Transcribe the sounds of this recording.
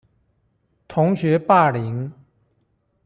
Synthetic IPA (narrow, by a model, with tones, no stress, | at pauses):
t̪ʰʊ˧˥ŋɕɥɛ˧˥pa˥˩li˧˥˦ŋ